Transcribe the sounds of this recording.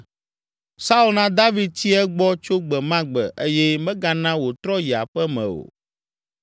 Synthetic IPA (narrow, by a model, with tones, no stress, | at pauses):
sa˦u˦lnã˦d̪a˦vi˨d̪̚t͡ɕi˦ɛ˦ɡ͡bɔ˦t͡ʃo˦ɡ͡bɛ˨mã˦ɡ͡bɛ˨ʔe˦jɛ˦mɛ̃˦ɡa˦nã˦wo˨t̪ɾɔ˦ji˨a̰˨ɸɛ˦mɛ̰̃˨o̰˨